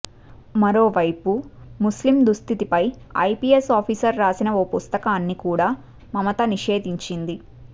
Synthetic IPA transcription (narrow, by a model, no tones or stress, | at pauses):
mɐɾo̞ːʋɐjpumuslimd̪ust̪ʰit̪ipɐjɐ̰jpiːesaːpʰiːsɐɾːaːsinɐoːpust̪ɐkaːnːikuːɽaː | mɐmɐt̪ɐniʂeːd̪iɲt͡ʃind̪i